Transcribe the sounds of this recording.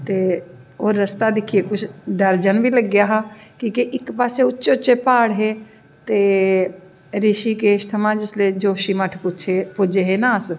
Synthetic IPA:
t̪eoːɾːəst̪ad̪ɪkʰiekʊt͡ʃʰd̪əɾd͡ʒənbʱiləɡːjaɦakĩkeʔɪkpaːseʊtːʃeʊtːt͡ʃepaːɽɦe | t̪e | ɾɪʃikeːʃt̪ʰɐmãd͡ʒɪsled͡ʒoːʃiməʈʰpʊt͡ʃʰepʊd͡ʒeɦenaːs

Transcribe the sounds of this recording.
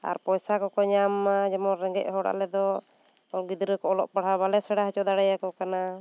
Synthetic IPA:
a̰ɾpɔjsakɔkɔɲamːad͡ʒɛmɔɾɛŋɡɛ̰ʔ̚ɦɔɽa̰ʔlɛd̪ɔ | ɔɡid̪ɾɛkɔɔlɔʔpaɽ̤aβalɛsɛɽaɦɛt͡ʃɔd̪aɽajakɔkana

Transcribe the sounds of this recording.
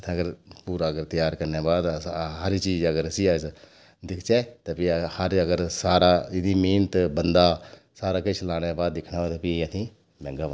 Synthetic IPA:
t̪ʰːɐɡəɾpuːɾaɡəɾt̪ɐjaːɾkɐɾnjaːbaːd̪ɦɐɾit͡ʃiːd͡ʒɐɡəɾɐsiaːs | d̪ɪkʰt͡ʃaːt̪ɐpihɐɾɐɡəɾsaːɾaːɪd̪imiːnt̪bɐnd̪aː | saːɾaːkɪt͡ʃʰlaːɽ̃jabaːd̪̚ːɪkʰnaːat̪ɐpiɐt̪ʰĩ | mɛ̃ːŋɡabaː

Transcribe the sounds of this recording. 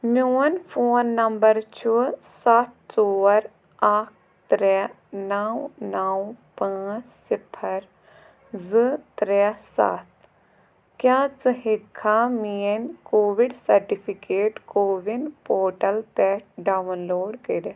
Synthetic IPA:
muːnfʰoːnːɐmbɐɾt͡ʃʰusat̪̚ʰsoːɾ | aːk̚ʰ | t̪ɾɛ | nawnaːwpãːt͡ssipʰɐɾ | zɨt̪ɾɛsa̰t̪̚ʰ | kjãːt͡sɨɦikʰːaːmiːənkoːʋiɖsɐɾʈipʰikeːʈkoːʋinpoːʈɐlpɛːʈ̚ɖaːʋnloːɖkiɾ

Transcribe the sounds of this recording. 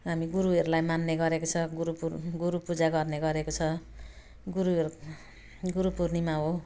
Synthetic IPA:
ɦamiɡuɾuɦʌɾulajmanːeɡʌɾekot͡sʰʌɡuupuɡuɾupud͡zaɡʌrneɡʌɾekot͡sʰʌ | ɡuɾuɦeɾu | ɡuɾupurnimaɦo

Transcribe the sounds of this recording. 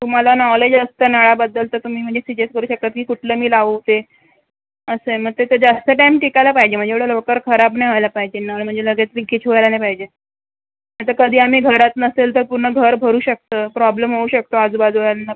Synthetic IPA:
t̪um̤alanɔled͡ʑəst̪əːnəɭabəd̪ːəlt̪ət̪um̤iːm̤əɳd͡zesid͡ʑeskəɾuːɕək̚t̪at̪̚kiːkuʈʰləːmiːlaʋət̪e | əsem̤əɡ̚t̪et̪ed͡zast̪əʈaimʈikajlapaɦid͡ʑem̤əɳd͡ʑeʋəɽ̤ələkəɾkʰəɾabnajɦajlapaɦid͡ʑenaɭm̤əɳd͡zeləɡat̪ɾikːit͡ɕʰʋoajlanajpaɦid͡ʑe | at̪akəd̪ʱiːam̤iːɡʱəɾat̪nəselt̪əɾpuɾɳəɡʱəɾbʱəɾuːɕək̚t̪əːpɾɔbləmɦouɕək̚t̪oad͡zubad͡zojanːa

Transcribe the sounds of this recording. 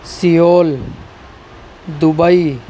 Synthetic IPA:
sijoːl | d̪ʊbəi

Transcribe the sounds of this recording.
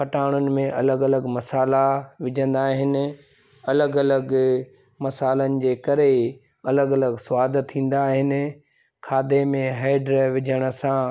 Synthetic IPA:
kɐʈaːɽ̃ʊnɪ̆mẽʔɐ̰ləɡɐləɡmɐsaːlaʋɪd͡ʑʱə̃nd̪aːɦɪnɪ̆ | ɐləɡɐləɡ | mɐsaːlənɪ̆d͡ʑeːkɐɾe | ɐləɡɐləɡsʊaːd̪ʱt̪ʰːĩːn̆d̪aːɦɪnɪ̆ | kʰaːd̪emẽɦaːɪɖɾeʋɪd͡ʑʱəɽ̃ə̆sã

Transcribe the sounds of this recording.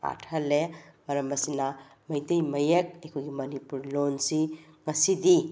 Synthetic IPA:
a̰tʰɐlemɐɾɐmɐsinɐ | mɐjtejmɐjek̚ɐjkʰojɡimɐnipuɾlonsi | ŋɐsidi

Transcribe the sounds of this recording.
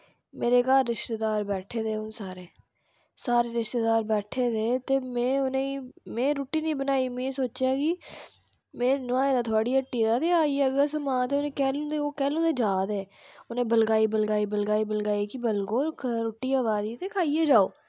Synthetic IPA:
meːɾeːkaːlɾɪʃt̪eːd̪aːɾbɛːʈʰeːd̪eːʊnsaːɾeː | saːɾeːɾɪʃt̪eːd̪aːɾbɛːʈʰeːd̪eːt̪eːmẽːʊnẽːimẽːɾoːʈːiːnĩːbənaːiːmẽːsoːt͡ʃaːɡiː | mẽːnʊaːeːd̪aːt̪ʰoaːɽiːəʈːiːd̪aːt̪eːaːieəɡəɾsəmãːt̪eʊnẽːkɛːlõd̪eoːkɛːlõːd̪eːd͡ʒaːd̪eː | ʊnẽːbəlɡaːibəlɡaːiːbəlɡaːiːbəlɡaːikibəlɡoːɾɾoːʈːiːaːʋaːd̪iːt̪eːkʰaːiːeːd͡ʒaːoː

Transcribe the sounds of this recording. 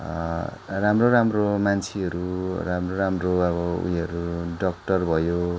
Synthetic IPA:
ramroɾamromant͡sʰiɦʌɾuramroɾamroʌβʌṵjʌɾuɖʌk̚ʈʌrbʱʌjo

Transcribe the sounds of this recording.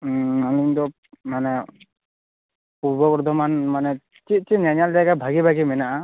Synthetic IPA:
ɔniŋd̪ɔ | manɛ | puɾbɔbɔɾd̪ʱɔmanmanɛ | t͡ʃit̪̚ˀt͡ʃiɲaɲald̪aɡabʱaɡibʱaɡimɛnaʔa

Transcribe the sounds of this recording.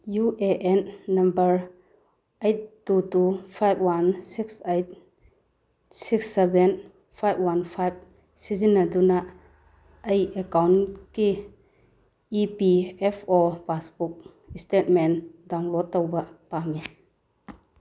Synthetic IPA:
juʔeʔenːɐmbɐɾ | ejt̚ːutupʰajb̚ʰwansiksejt̚ | siksːeben | pʰajb̚wanpʰajb̚ | sizinːɐdunɐ | ɐjekawnki | piepʰɔpasbuk̚ | stet̚mendawŋlɔd̚ːɐwbɐpaŋi

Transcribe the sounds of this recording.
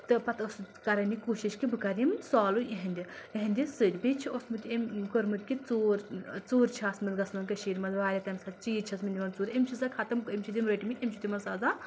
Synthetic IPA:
t̪ɨpɐt̪ɐskɐɾɐnʲikuːʃiʃkibɨkɐɾjimnʲsaːlueɦɐnʲd̪ʲieɦɐnʲd̪ʲisɨdʲbet͡ʃʰiosmut̪ʲemkoɾmɨt̪̚ʲkit͡suːɾt͡suːɾt͡ʃʰaːsmɐlɡɐsmɐnkɐʃiːɾʲmɐzʋaːlʲɐt̪ɐmsɐt͡ʃiːt͡ʃʰɐsmɐnʲd̪ʲimɐnt͡suːɾemt͡ʃʰizɐkʰɐt̪ɐmkimʲt͡ʃʰid̪ʲimɾɐʈʲimit̪ʲemt͡ʃʰit̪ʲimɐsaːza

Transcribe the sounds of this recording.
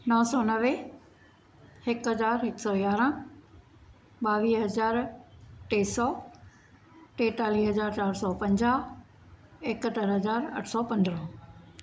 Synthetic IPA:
nɔɦsɔnɐʋe | hɪkɦɐzaːɾɦɪksɔːɡaːɾə̃ | ɓaːʋiːɦɐzaːɾʈeːsɔː | ʈeːt̪aːliːɦɐzaːɾt͡ɕaːɾsɔpɐ̃ɲd͡ʑa | ekət̪əɾɦɐzaːɾɐ̰ʈʰsɔːpɐ̃nd̪ɾɔ̃

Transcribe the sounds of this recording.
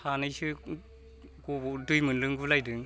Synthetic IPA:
hanɯjsɯ | kobudujmɯnlɯŋɡulajdɯŋ

